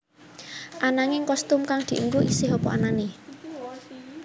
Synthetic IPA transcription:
ʔanaŋɪŋkɔst̪ʊmkaŋd̪̥i̤ʔəŋɡuisɪɦɔpɔ̰anane

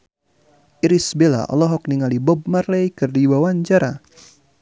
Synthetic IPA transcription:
ʔiɾisbela̰ʔɔ̰lɔɦɔk̚niŋalibɔb̚marlejkɨrdiwawaɲt͡ʃaɾa

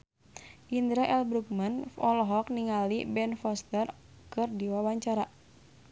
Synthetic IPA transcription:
ʔind̪ɾaʔɛlbɾuk̚manɔlɔɦɔk̚niŋalibɛnfɔst̪ər | kɨrdiwawaɲt͡ʃaɾa

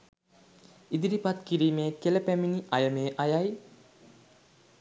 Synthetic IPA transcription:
id̪iɾipat̪kiɾiːmeːkeləpæminiʔajəmeːʔajaj

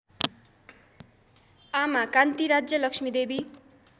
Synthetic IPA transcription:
amakant̪iɾad͡zjʌlʌksmid̪ebi

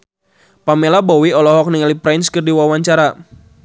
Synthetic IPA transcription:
pamelabɔwiɔlɔɦɔk̚niŋalipɾajnskərdiwawaɲt͡ʃaɾa

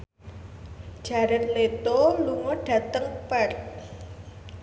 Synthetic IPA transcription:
d̥ʒ̥a̤ɾət̪̚let̪oluŋoɖ̥ä̤t̪əŋpɛr

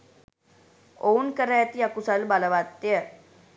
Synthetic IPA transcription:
oːnkəɾɛːt̪iɐkusəlbaləʋat̪ːjə

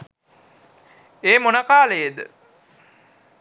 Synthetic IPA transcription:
eːmonakaːləjed̪ə̰

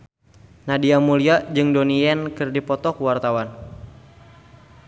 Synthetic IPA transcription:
nadiamuliad͡ʒɨŋdoniɛnkɨrdipɔt̪ɔkuwart̪awan

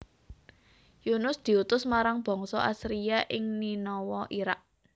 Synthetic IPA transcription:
junʊsd̪̥i̤ut̪ʊsmaɾaŋb̥ɔ̤ŋsɔ̰ʔasɾiaʔɪŋninɔwɔʔiɾak̚

